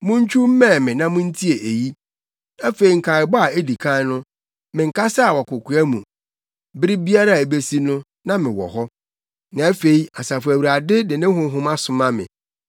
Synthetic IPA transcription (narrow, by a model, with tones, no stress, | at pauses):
mʊ̃˦ɲ˦t͡ɕʰᶣu˦m̩˦mɛ̃˦˨mɪ̃˨nã˦mʊ̃˦n̩˦tʰi˦e˨ʔe˨ji˦ | ã˦fe˨i˨ŋ̩˨kʰa˨ɪ˨bɔ˦a˨e˦di˨kʰã˦nʊ̃˦ | mɪ̃˨ŋ̩˨kʰa˦sa˦a˨wɔ˨kʊ˨kʰʊ˨æ˦mũ˨ | bɪ˦ɾɪ˦bi˦a˦ɾa˦˨e˨be˦si˦nʊ̃˦ | nã˦mɪ̃˨wɔ̰˨ɦɔ˦ | nã˨æ˦fe˨i˦a˨sa˨fæ˨wu˨ɾa˨dɪ˦dɪ˨nɪ̃˦ɦʊ̃˨˦ɦʊ̃˦ma˦sʊ˨mã˦mɪ̰̃˨